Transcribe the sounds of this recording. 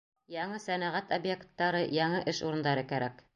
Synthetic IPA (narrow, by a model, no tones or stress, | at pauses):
jɑɴɤsænæʁæt̪objekt̪ːɑɾɤjɑɴɤʔɘʃuɾɤ̆nd̪ɑɾɤkæɾæk